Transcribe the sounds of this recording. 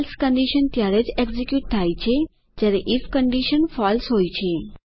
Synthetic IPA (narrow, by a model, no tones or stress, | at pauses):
lskəɳɖiʃənt̪jaɾed͡ʒeɡzekjuʈ̚t̪ʰajt͡ʃʰe | d͡ʒjaɾeʔifkəɳɖiʃənfɔlsɦojt͡ʃʰe